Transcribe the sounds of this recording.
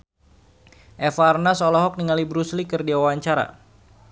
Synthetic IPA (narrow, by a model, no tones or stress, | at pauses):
ʔɛfarnasɔlɔɦɔk̚niŋalibɾuslikɨrdiawaɲt͡ʃaɾa̰